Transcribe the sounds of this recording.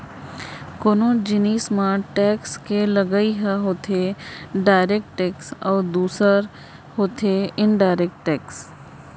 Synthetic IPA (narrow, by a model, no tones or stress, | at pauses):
koːnõːd͡ʒɪniːsmãːʈɛːkskelɐɡəiɦɛɦoːt̪ʰeɖaːɪɾek̚ʈʈɛːksɔːɾd̪uːsəɾ | hoːt̪ʰeɪ̃nɖaːɪɾek̚ʈʈːɛːks